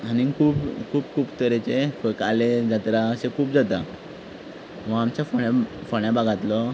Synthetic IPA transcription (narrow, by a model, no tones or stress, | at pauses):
aniŋkʰuːpkʰuːbkʰuːpt̪əɾet͡ɕefəkaled͡zat̪ɾaəsekʰuːb̚d͡zat̪a | ʋãamt͡ɕjafoɳafoɳjabaɡʱat̪lɔ